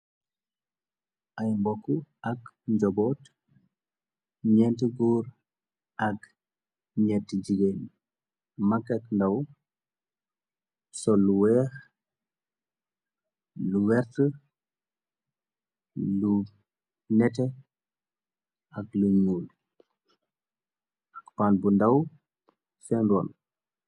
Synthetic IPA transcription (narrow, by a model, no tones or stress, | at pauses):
ʔajmbokːuɐk | ɲɟɔbɔːt | ɲɛnteɡuɾ | ɐk | ɲɛtːɟiɡen | makːakndaw | sɔluwɛːx | luwɛɾtə | lu | nɛtɛ | ɐkluɲuːl | ʔɐkpanbundaw | fɛndɔ̰ːn